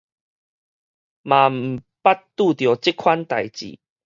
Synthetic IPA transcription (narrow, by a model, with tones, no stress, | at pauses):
mã˨˩m̩˨˩ | pa˦tt̪u˥˧˨t̪jɔ˨˩t͡ɕi˦˥kʰwa˦nt̪a˨jt͡ɕḭ˨˩